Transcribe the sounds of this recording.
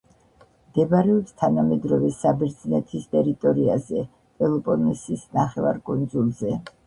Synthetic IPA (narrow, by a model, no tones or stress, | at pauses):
md̪̥ɛbaɾɛɔpst̪ʰanamɛd̪ɾɔvɛsabɛɾd̪znɛt̪ʰist̪ʼɛɾit̪ʼɔɾiazɛ | pʼɛlˠɔpʼɔnisisnaχɛva̰ɾkʼund̪zulˠzɛ